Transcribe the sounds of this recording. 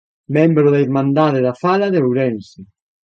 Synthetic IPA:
membɾʊðaiɾmãnd̪aðɪðafalɐðeowɾɛnsɪ

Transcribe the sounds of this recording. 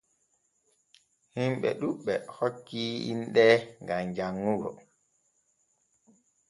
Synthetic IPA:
himɓɛ̰ɗuɓːɛhokːiḭnɗɛŋɡamd͡ʒaŋːuɡɔ̰

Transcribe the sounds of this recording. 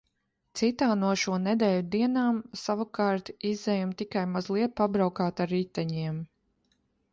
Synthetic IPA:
t̪sit̪aːnuɔʃuɔnɛd̪ɛːjud̪iɛnaːmsavakɑːɾt̪izɛjumt̪ikajmazlˠiɛt̪̚pabɾawkaːt̪aɾit̪ːɛɲiɛm

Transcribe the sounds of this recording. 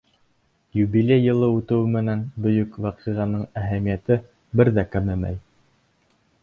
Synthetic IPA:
jubilʲejːɤ̆lˠɤut̪ɤ̆wɘmɘ̆nænbɵ̆jɵkwɑqiʁɑnɤɴæɦæmijæt̪ɘ | bɘɾðækæmɘmæ̰j

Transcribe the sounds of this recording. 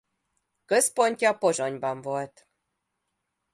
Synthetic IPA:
kə̆zponʲtʲɑpoʒonʲbɑmvolt̪

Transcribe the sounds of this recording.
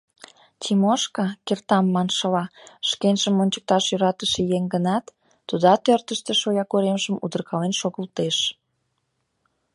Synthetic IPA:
t͡ɕimoʃkɑkert̪ɑmːɑnʃəlɑʃkenʒəmːonʲt͡ɕə̥k̚t̪ɑʃjyɾɑt̪əʃĕjeŋɡənɑt̪ː | ud̪ɑt̪ørt̪əʃt̪ĕʃojɑkoɾemʒəmud̪ə̆rkɑlenʃoɣəlt̪eʃ

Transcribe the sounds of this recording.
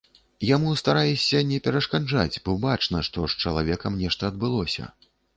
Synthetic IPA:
jamust̪aɾajɛsʲɐnʲɛpʲɛɾɐʂkad͡ʐa̰t͡sʲbɔbat͡ʂnɐʂt̪ɔʂt͡ʂɐlˠavʲɛkɐmnʲɛʂt̪ɐːd̪̚bɨlˠɔsʲɐ̰

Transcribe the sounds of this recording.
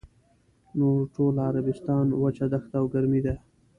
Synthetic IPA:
noɾʈolaɾabɪst̪ɑnwat͡ʃad̪axt̪awɡaɾmid̪a

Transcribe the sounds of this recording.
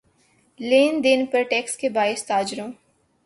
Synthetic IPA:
leːnd̪ɪnpɐɾʈɛːkskebaːɪst̪aːd͡ʒɾõː

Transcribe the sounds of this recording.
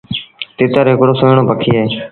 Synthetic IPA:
t̪ɪːt̪əɾɦɪkɽoːsoɳoːpəkʰiːɦeː

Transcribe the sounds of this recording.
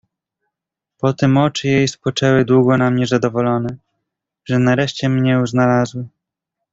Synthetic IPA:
pɔt̪ɘmɔt͡ʂɘjejspɔt͡ʂɛwɘd̪wuɡɔnamɲɛzad̪ɔvɔlɔnɛ | ʐɛnaɾɛʂt͡ɕɛmɲɛuznalazwɘ

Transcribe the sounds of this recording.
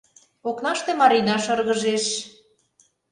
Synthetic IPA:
oknɑʃt̪emɑɾinɑʃɤrɣə̆ʒeʃ

